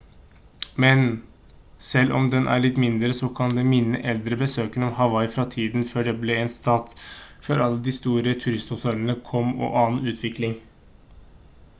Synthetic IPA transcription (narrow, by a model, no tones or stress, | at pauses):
mɛn | sɛlːʔɔ̰md̪ɛnʔæ̰ɾɭɪt̪ːmɪnd̪ɾəsɔkʰɑnd̪ɛmɪnːə̰ʔɛld̪ɾəbəsøːkənɔmɦɑʋɑɪfɾɑt̪ʰiːd̪nføːɖɛblɛeːnst̪ɑːt̪føːɾɑlːəd̪ɪst̪uːɾət̪ʰʉɾɪst̪hʊt̪ʰœlənəkʰɔmːɔ̰ːʔɑːn̩ʉːt̪ʰʋɪklɪŋ